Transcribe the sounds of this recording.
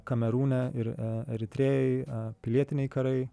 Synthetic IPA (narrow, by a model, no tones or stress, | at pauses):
kɐmʲɛɾuːnʲɛɪɾɛɾʲɪt̪ʲɾʲeːjɛɪpʲɪlʲiɛt̪ʲɪnʲɛɪkɐɾɐɪ